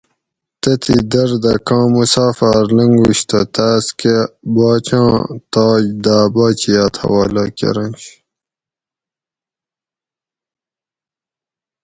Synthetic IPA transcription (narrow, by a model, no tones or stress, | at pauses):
t̪ɐt̪ʰid̪ɐɾd̪ɐkɑ̃ːmusaːfaɾlɐŋɡuɕt̪ʰɐ̰t̪aːskebɑːt͡ɕɑ̃ːt̪ɑːjd̪aːbaːt͡ɕiaːt̪ʰɐ̰wɑːlakḛɾɐ̃nɕ